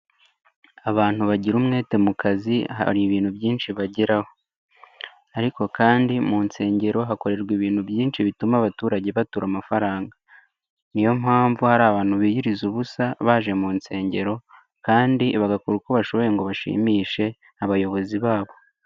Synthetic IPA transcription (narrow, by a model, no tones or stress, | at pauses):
aβaːn̥huβaɟiɾuːmŋe̞ːte̞mukaziha̰ɾiβiːn̥hubjiːnʃiβaɟeɾaho̞ | aɾiko̞kaːndimunse̞ːɲɟe̞ɾo̞ɦako̞ɾe̞ɾɡwiβiːn̥hubjiːnʃiβitumaβatuːɾaɟe̞βatuɾamafaɾaːŋɡa | nijo̞mhaːɱvuhaɾaːβaːn̥huβijiɾizuβusaβaʒe̞muːnse̞ːɲɟe̞ɾo̞ | kaːndiβaɡakuɾuko̞βaʃo̞βo̞je̞ŋɡo̞βaʃḭːmiːʃe̞ | aβajo̞βo̞ziβaːβo̞